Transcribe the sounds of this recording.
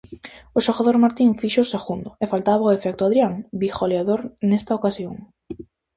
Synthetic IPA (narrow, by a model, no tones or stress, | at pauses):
ʊʃoɣaðoɾmaɾt̪iɱfiʃoːseɣund̪ʊefalt̪aβaʊefɛk̚t̪ʊað̞ɾjaŋbixoleaðoɾnɛst̪aokasjoŋ